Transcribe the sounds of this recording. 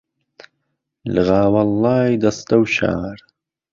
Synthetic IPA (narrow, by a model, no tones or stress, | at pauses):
lɨɣaːwɐlːɑːjd̪ɐst̪ɐwʃa̰ːɾ